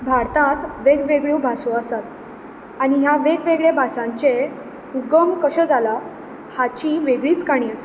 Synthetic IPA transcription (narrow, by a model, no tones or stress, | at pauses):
bʱaɾt̪ãt̪ʋeɡʋeɡɭjuwbʱasõəsat̪ | aɽ̃ijaʋeɡʋeɡɭebʱasãɲt͡ɕe | uɡəmkəɕəd͡zala | hat͡ɕiʋeɡɭiːt͡skaɽ̃iːəse̥